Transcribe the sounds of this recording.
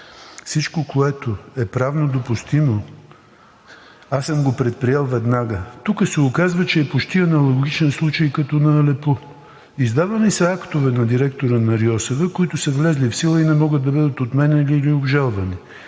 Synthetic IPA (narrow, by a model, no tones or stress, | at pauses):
fsit͡ʃkokoɛt̪oɛpɾavnod̪opʊst̪imo | asəmɡopɾɛt̪̚pɾijɛlˠvɛd̪naɡət̪ukəsɛokazvət͡ʃɛːpot͡ʃt̪iɐnɐlˠoɡɡit͡ʃɛnslˠut͡ʃəjkɐt̪ɔnɐlɛpo | izd̪avɐnisɐakt̪ʊvɛnɐd̪iɾɛkt̪oɾənɐɾiɔsovɛkoit̪ʊsəvlɛzlifsilˠəinɛmɔɡətd̪ːɐbəd̪ət̪ot̪mɛnɛiliːliobʒalˠvɐni